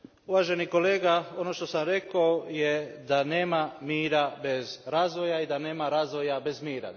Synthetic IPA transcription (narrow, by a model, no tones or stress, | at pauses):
uʋaːʒe̞niko̞le̞ːɡao̞no̞ʃt̪o̞samɾe̞kaojed̪ane̞ːmamiːɾabe̞zɾazʋo̞jaid̪ane̞ːmaɾazʋo̞jabe̞zmiːɾa̰